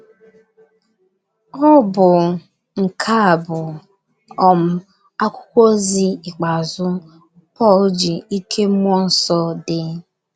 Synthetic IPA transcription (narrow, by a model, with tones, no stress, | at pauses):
ɔ˦bʊ˨ | ŋ̩˨kʰa˦a˨bʊ˨ | ɔ˨m̩˨ | a˦kʷʊ˦kʷo˦zi˦i˨k͡pa˨zʊ˦ | pɔ˦˨ld͡ʒi˨i˦kʰe˦mʷɔ˦n̩˦sɔ˦dɪ˨˦